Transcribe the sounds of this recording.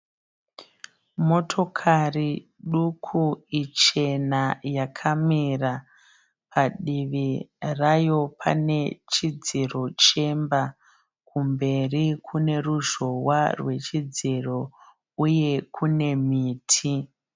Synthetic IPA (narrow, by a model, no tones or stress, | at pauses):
mo̞tʰo̞kʰariɗukʰuit͡ʃe̞najakʰamira | pʰaɗiʋirajo̞pʰa̰ne̞t͡ʃid͡ziro̞t͡ʃe̞mba | kʰumbe̞rikʰune̞ruʒo̞warwe̞t͡ʃid͡ziro̞ | uje̞kʰune̞miːtʰi